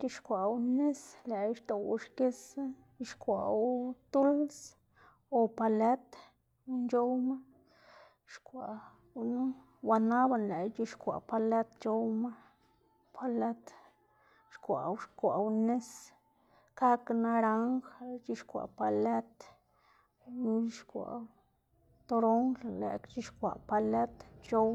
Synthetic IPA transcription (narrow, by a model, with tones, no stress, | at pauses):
t͡ʃi˧ʃkʷa˨wne˦sle˨i˦ʃt̪o˨wu˧ʃke˦s | i˧ʃkʷa̰˨wt̪u˦ls | o˧pa˧le˦t̪ | nt͡ʃo˦wma˦ | ʃkʷa̰˨ | nu˦ | wa˧na˦ba˧˨nle˨t͡ʃi˧ʃkʷa̰˨pa˧le˦t̪t͡ʃo˦wma˦ | pʰa˧le˦t̪ | ʃkʷa̰˨wʃkʷa̰˨˧ne˦s | ka˦kna˧ɾa˦ŋxt͡ʃi˦ʃkʷa̰˨pa˧le˦t̪ | nu˦i˦ʃkʷa̰˨w | t̪o˧ɾo˦ŋllḛ˨kt͡ʃi˦ʃkʷa̰˨ʔpa˧le˦t̪t͡ʃo˦w